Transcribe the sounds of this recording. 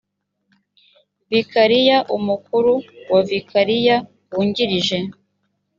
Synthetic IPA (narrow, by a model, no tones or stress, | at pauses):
vikaɾijaʔumukuɾuwavikʰaɾija | wuːɲɟiɾiʒe̞